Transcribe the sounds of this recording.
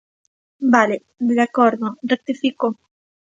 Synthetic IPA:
bale | d̪akoɾðorek̚t̪ifiko

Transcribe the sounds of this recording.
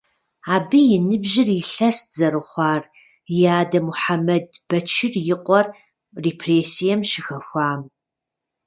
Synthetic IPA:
aːbijɪnɨbʒɪrɪɬɐszɐrɨχʷɑːr | jaːdɐmuħamɐdb̥ɐt͡ʃʰɪrjɪqʷʼɔr | reːpʰreːsijɛmʃɪxɐxʷɑːm

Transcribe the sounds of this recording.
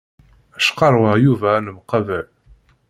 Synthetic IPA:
æʃqɑɾˤwəʁjuvænəmqɑvəʕ

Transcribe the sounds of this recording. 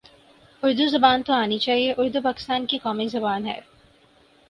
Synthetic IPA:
ʊɾd̪uzɐbaːnt̪oaːnit͡ʃaːɦieʔʊɾd̪upaːkɪ̥st̪aːnkikɔːmizɐbaːnɦɛ̰ː

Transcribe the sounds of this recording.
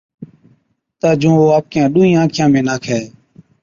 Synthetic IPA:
t̪aːd͡ʒũːʋoːaːp̚kɪjãːɗũːĩːãːkʰɪjãːmẽːnaːkʰɛː

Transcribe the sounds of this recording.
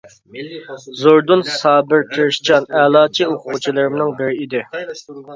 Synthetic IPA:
zoɾd̪unsɑːbɪɾt̪ʰɪɾʃt͡ʃɑnɛlˠɑːt͡ʃʰioqʰʊʁʊt͡ʃʰilˠɨɾɪmnɨŋbɪɾɪid̪ɪ

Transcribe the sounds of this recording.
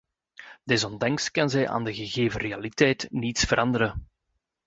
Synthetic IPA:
d̥ɛzɔndɑŋskɑnzɛjʔa̰ːndəɣəɣeːvərealitɛjtnitsfəɾɑndəɾə

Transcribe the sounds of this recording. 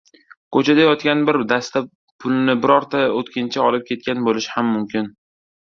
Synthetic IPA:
kʰot͡ʃʰad̪ajɒt̪kʲanbɪɾd̪ast̪a | pʰʊlnɪbɪɾɒɾt̪ʰaot̪kʲʰɪnt͡ʃʰaɒlɪp̚kʲe̞t̪̚kʲanbolɪʃhamːʊmkʲɪn

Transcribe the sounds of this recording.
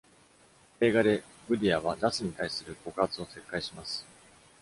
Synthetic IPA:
e̞ːɡad̪e̞ | ɡɯ̟d̪ʲiaβ̞azasɨɲ̟it̪aisɨɾɯ̟ko̞kɯat͡sɨo̞se̞kːaiɕimasɨ̥

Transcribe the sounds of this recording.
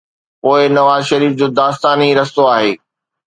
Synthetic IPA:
poːɪnɐʋaːzʃɐɾiːfd͡ʑoːd̪aːst̪aːniɾɐst̪oaːɦeː

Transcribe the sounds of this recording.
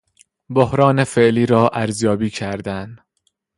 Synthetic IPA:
bohɾɒːne̞fe̞ʔliːɾɒːʔæɾzjɒːbiːcʰæɾd̪æn

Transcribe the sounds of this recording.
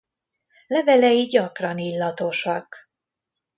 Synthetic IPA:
lɛvɛlɛjiɟɒkrɒnilːɒt̪o̞ʃɒk

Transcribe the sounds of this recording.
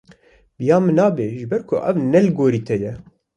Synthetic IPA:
b̥ɨjɑːmɨnɑːbeːʒɨbɛɾkʰʊʔɛvnɛlɡoːɾiːt̪ʰɛjɛ

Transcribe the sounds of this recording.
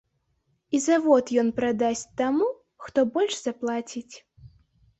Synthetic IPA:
izavɔt̪jɔnpɾad̪asʲt͡sʲt̪amu | xt̪ɔbɔlʲʂz̥aplˠat͡sʲit͡sʲ

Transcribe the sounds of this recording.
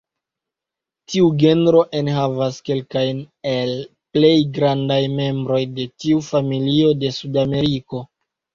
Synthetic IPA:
tiuɡe̞ndɾo̞ʔe̞nɦavaske̞lkajn | e̞l | ple̞jɡɾandajme̞mbɾo̞jde̞tiufamilio̞de̞sudame̞ɾiko̞

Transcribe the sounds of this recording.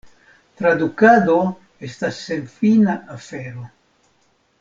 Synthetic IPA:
t̪ɾad̪ukad̪o | est̪asːenfinaʔafeɾo

